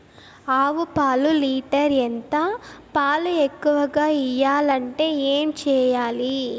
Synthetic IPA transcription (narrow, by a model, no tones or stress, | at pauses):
aːʋupaːluliːʈɐɾent̪apaːluekːuʋɐɡaːijaːlɐɳʈe̞ːeːmt͡ʃɛːjaːli